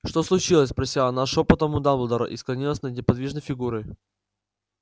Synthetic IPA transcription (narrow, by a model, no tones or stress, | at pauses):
ʂt̪oslˠʊt͡ɕilˠəsʲpɾɐsʲiɐnaʂopət̪əmʊd̪amlˠd̪əɾɐ̰ʔɪsklˠɐnʲilˠəsʲnənʲɪpɐd̪vʲiʐnəjfʲɪɡuɾɨj